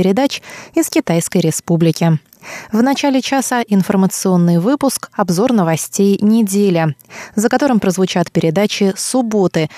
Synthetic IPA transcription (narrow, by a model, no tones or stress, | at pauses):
ɪɾʲɪd̪at͡ɕɪskʲɪt̪ajskəjɾʲɪspublʲɪkʲɪ | vnɐt͡ɕalʲɪt͡ɕasəʔɪnfərmət̪sɨo̞nːɨjvɨpʊskɐbzo̞rnəvɐsʲtʲejnʲɪdʲelʲəzəkɐt̪o̞ɾɨmpɾəzvʊt͡ɕat̪pʲɪɾʲɪd̪at͡ɕɪsʊbot̪ɨ